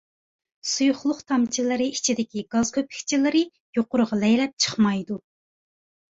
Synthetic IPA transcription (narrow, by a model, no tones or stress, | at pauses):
sujʊχlˠʊχt̪ʰɑmt͡ʃʰilˠɨɾɨit͡ʃʰid̪ɪkʲiɡ̥ɑzkʰøpʰɪ̥kʲt͡ʃʰilˠɨɾɨ | joqʊɾəʁɑlɛjlɛp̚t͡ʃʰə̥χmɑjd̪u